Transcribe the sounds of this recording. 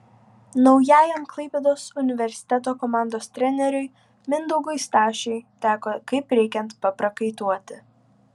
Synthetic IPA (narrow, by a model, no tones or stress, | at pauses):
nɒʊjæːjɛmklˠɐɪpʲɛd̪oːsʊnʲɪʋʲɛɾʲsʲɪ̥t̪ʲɛt̪oːkɔmɑˑnd̪oːst̪ʲɾʲɛnʲɛɾʲʊɪ | mʲɪnd̪ɔʊɡʊɪst̪ɑːʃʲɛɪt̪ʲæːkoːkɐɪpɾʲɛɪkʲɛnt̪pɐpɾɐkɐɪt̪uɔt̪ʲɪ